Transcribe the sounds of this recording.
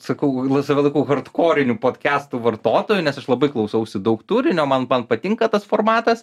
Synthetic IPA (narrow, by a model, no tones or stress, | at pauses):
sɐkɐʊlˠɐsɐʋʲɪlˠɐɪkuːɣɐrt̪koːɾʲɪnʲuːpoːt̪ʲkʲæːst̪uʋɐrt̪oːt̪oːjunʲɛsɐʃlˠɐbɐɪklˠɐʊsɐʊsʲɪd̪ɐʊkt̪uːɾʲɪnʲoːmɐnmɐnpɐt̪ʲɪŋkɐt̪ɐsfoːrmɑːt̪ɐs